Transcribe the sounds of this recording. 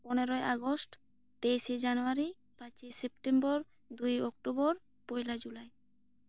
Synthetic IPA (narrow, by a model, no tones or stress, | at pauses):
poneɾoeʔaɡosʈ | t̪eʃed͡ʑanuaɾi | pãt͡ɕesepʈembɔɾ | d̪ujɔk̚ʈobɔɾ | pojlad͡ʑulae